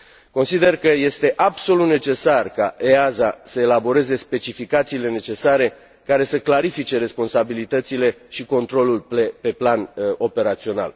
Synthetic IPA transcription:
ko̞nsid̪e̞rkəje̞st̪e̞ʔabso̞lut̪ne̞t͡ʃe̞sarkaʔeazasəelabo̞ɾe̞ze̞spe̞t͡ʃifikat̪siːle̞ne̞t͡ʃe̞saɾe̞ | kaɾe̞səklaɾifit͡ʃe̞ɾe̞spo̞nsabilit̪ət̪sile̞ʃiko̞nt̪ɾo̞lulplepe̞plano̞pe̞ɾat̪sio̞na̰l

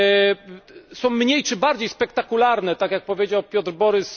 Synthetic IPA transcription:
sɔ̃w̃mɲejt͡ʂɘbaɾd͡ʑejspɛkt̪akulaɾnɛt̪akʲjak̚pɔvʲjed͡ʑawpʲjɔd̪ɾbɔɾɘs

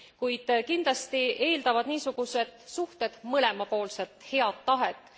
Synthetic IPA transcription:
kujd̪̥kind̪lɑst̪iʔe̞ːld̪ɑvɑd̪niːsuɡ̥use̞d̪̥suht̪e̞d̪̥mɤle̞mɑpo̞ːlse̞t̪ˑhe̞ɑd̪ːɑɦet̪ːˑ

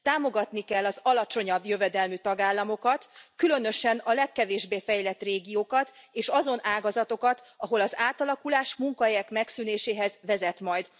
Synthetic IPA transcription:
t̪aːmo̞ɡɒt̪nikɛlːɒzɒlɒt͡ʃo̞ɲɒbjø̞vɛd̪ɛlmyt̪ɒɡaːlːɒmo̞kɒt̪kylø̞nø̞ʃɛnɒlɛkːɛveːʒbeːfɛjlɛt̪reːɡijoːkɒt̪eːʃɒzo̞nʔaːɡɒzɒt̪o̞kɒt̪ | ɒɦo̞lɒzaːt̪ɒlɒkulaːʃmuŋkɒɦɛjɛkmɛksyːneːʃeːɦɛzʋɛzɛt̪mɒjd̪

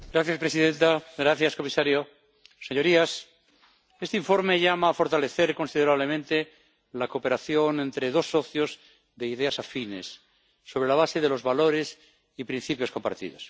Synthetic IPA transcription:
ɡɾaθjaspɾesiðẽ̞nt̪aɡɾaθjasko̞misaɾjo | se̞ɲo̞ɾias | est̪eiɱfo̞ɾme̞ʝamaːfo̞ɾt̪ale̞θe̞ɾko̞nsiðe̞ɾaβle̞mẽnt̪e | lakope̞ɾaθjo̞nẽ̞nt̪ɾe̞ðo̞sːo̞θjo̞z | ðeiðeasafine̞̰sː | o̞β̞ɾe̞laβ̞ase̞ðe̞lo̞zβalo̞ɾe̞s | ipɾin̟θipjoko̞mpa̰ɾt̪ḭðo̞s

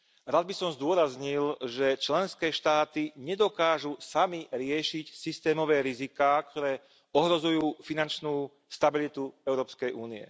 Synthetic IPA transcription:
ɾad̪̚bisɔmzd̪ʊɔɾazɲilʒɛt͡ʃlɛnskɛːʃt̪aːt̪iɲɛd̪ɔkaːʒusamiɾɪɛʃicsist̪ɛːmɔʋɛːɾizikaːkt̪ɔɾɛː | ɔɦɾɔzujuːfinant͡ʃnuː | st̪abilit̪uɛʊɾɔːpskɛjʔuːniɛ̰

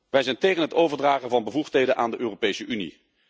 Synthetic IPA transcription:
ʋɛjzɛjntejχənɦətowvəɹdraːχənvɑnbəvuχtɦejdənʔaːndəʔøːropejsəʔynḭ

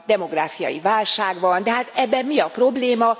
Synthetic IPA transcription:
d̪ɛmo̞ɡraːfijɒ̰jḭvaːlʃaːɡʋɒnd̪ɛɦaːt̪ɛbːɛmmiɒpro̞bleːmɒ

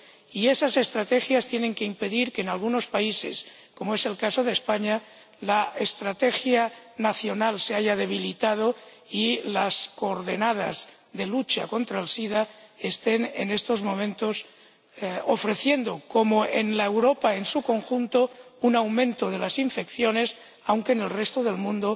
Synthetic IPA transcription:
iesase̞st̪ɾat̪exjast̪je̞ne̞ŋkeimpe̞ðiɾkeːnalɣuno̞spaise̞̰s | ko̞moe̞se̞lkaso̞ð̞espaɲa | laest̪ɾat̪exjanaθjo̞nalseaʝað̞e̞β̞ilit̪að̞o̞ | ilaskoːɾðenað̞a̰z | ðe̞lut͡ʃa̰ko̞nt̪ɾaelsiðaest̪enḛnest̪o̞zmõ̞mẽnt̪os | ofɾe̞θje̞nd̪okomoʔḛnlaewɾopae̞nsuko̞ŋxunt̪ounawmẽ̞nt̪oð̞elasiɱfekθjone̞s | awŋkene̞lrest̪oðe̞lmũnd̪o

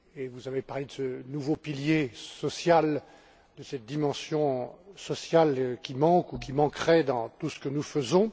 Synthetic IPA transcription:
evuzavepaʁled̪əsənuvopiljesɔsjal | d̪əsɛt̪̚d̪imɑ̃sjɔ̃sɔsjalkʲimɑ̃kukʲimɑ̃kχɛd̪ɑ̃t̪usə̥kənufəzɔ̃

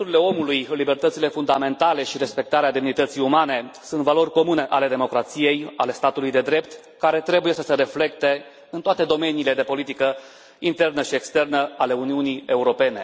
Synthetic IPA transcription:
uɾile̞o̞mulujlibe̞rt̪ət̪sile̞fund̪ame̞nt̪ale̞ʃiɾe̞spe̞k̚t̪aɾead̪emnit̪ət̪sijumane̞sunt̪valo̞rʲko̞mune̞ʔale̞d̪e̞mo̞kɾat̪sije̞ja̰le̞st̪at̪ulujd̪e̞d̪ɾe̞pt̪ | kaɾe̞t̪ɾe̞buje̞səse̞ɾe̞fle̞k̚t̪e̞ | ɨnt̪oat̪e̞d̪o̞me̞niːle̞d̪e̞po̞lit̪ikə | int̪e̞rnəʃiekst̪e̞rnəale̞uniunije̞uɾo̞pe̞ne̞

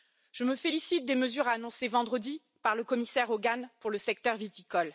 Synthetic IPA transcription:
ʒ̥əməfelisit̪̚d̪eməzyʁanɔ̃sevɑ̃d̪ʁəd̪i | paʁləkɔmisɛʁoɡanpuʁləsɛk̚t̪œʁvit̪ikɔl

